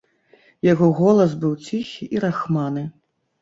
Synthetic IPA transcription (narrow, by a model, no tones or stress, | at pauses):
jaɣɔɣɔlˠɐsbɨwt͡sʲixʲiʔiɾaxmanɨ